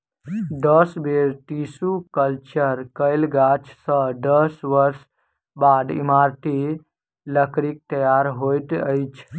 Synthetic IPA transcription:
d̪əsbeɾʈ̪isukəlt͡ʃəɾkəɪlɡat͡ʃʰsə̃d̪əsʋəɾs | bad̪ḭmaɾt̪i | ləkɾik̚t̪əjaɾɦojt̪əɪt͡ʃʰ

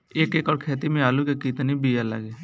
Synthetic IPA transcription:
eːkeːkɔːɽkʰeːt̪imẽaːlukekit̪nibijalə̰ɡeː

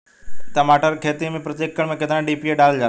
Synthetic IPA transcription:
t̪əmaːʈəɾkʰeːt̪imẽːpɾət̪jekːəɳmẽːket̪ɾãːɖiːpieɖaːld͡ʒa

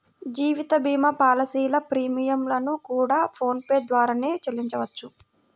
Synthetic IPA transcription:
d͡ʒiːʋit̪ɐbiːmɐpaːlɐsiːlɐpɾiːmijɐmlɐnukuːɽaːpʰo̞ːnpeːd̪ʋaːɾaːne̞ːt͡ʃelːiɲt͡ʃɐʋɐt͡ʃːu

